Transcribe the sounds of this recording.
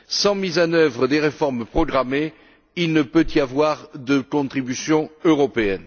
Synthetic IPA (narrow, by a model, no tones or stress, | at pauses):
sɑ̃mizɑ̃nœvʁəd̪eʁefɔʁmpχɔɡʁame | ilnəpøt̪iavwaʁd̪əkɔ̃t̪χibysjɔ̃øʁɔpeɛn